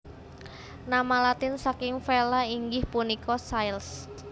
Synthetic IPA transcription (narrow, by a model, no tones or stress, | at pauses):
namalat̪ɪnsakɪŋfelaiŋɡɪhpunikɔsajls